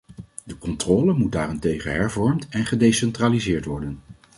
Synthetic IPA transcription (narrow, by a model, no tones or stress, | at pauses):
dəkɔntrɔːləmut̚daːrɛntejχənɦɛɹvɔɹmtɛnχədejsɛntraːlizɪːɹtʋɔɹdən